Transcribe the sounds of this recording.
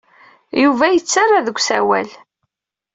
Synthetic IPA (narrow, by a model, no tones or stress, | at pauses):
juvæjət͡sːarːˤaðəɡʷsæwæl